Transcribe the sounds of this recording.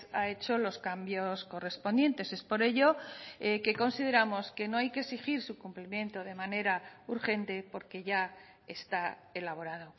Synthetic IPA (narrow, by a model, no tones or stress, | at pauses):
ae̞t͡ʃo̞lo̞skambjosko̞re̞spond̪je̞nt̪e̞se̞spo̞ɾe̞ʝo̞eke̞ko̞nsið̞e̞ɾamo̞ske̞no̞ajkesixiɾsukumplimjẽ̞nt̪o̞ð̞e̞mane̞ɾauɾxe̞nt̪e̞po̞ɾke̞ʝa | est̪aelaβ̞o̞ɾað̞o̞